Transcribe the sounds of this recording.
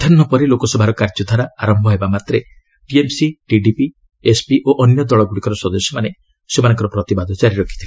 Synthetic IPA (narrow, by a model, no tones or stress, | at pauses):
d̪̥ʰʱɔnːɔpɔɾilokɔsɔbʱaɾɔkaɾd͡ʒɔd̪ʱaɾaaɾɔmbʱɔɦebamat̪ɾe | ʈiemsiʈiɖipi | espiʔoʔɔnjɔd̪ɔɭɔɡuɽikɔɾɔsɔd̪ɔsjɔmane | semanɔ̃ŋkɔɾɔpɾɔt̪ibad̪ʱɔt͡ʃaɾiɾɔkʰi̥t̪ʰi